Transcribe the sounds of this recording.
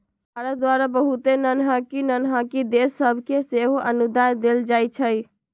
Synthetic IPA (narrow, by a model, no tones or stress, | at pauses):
bʱaɾət̪̚d̪waɾabəɦut̪enənɦakinənɦakid̪esːəbʱkeseɦoʔənud̪ajd̪eld͡ʒajt͡ʃʰəj